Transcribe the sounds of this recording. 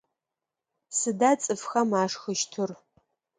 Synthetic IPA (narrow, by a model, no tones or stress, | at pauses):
sɨdat͡sʼɨfxɐmaːʂxəʃtʰɨr